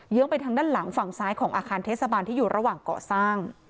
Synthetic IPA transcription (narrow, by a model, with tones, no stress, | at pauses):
jɯ˧˦˥əŋpa˧jt̪ʰa˧ŋdaː˥˩nla˩˦ŋfa˨˩ŋsaː˦˥jkʰɔː˩˦ŋʔaː˧kaː˧nt̪ʰeː˥˩t̚sa˧baː˧nt̪ʰiː˥˩juː˨˩ɾa˧waː˨˩ŋkɔ̰ː˨˩saː˥˩ŋ